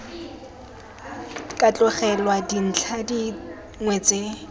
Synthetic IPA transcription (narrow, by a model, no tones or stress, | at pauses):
kʼat͡ɬʼʊχɛlwadin̩t͡ɬʰadi | ŋwɛt͡sʼe